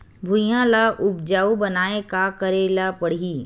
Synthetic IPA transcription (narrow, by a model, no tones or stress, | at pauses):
bʱʊjãlaʔʊb̚d͡ʒaːubɐnaːekakəɾeːlapɐɽ̤iː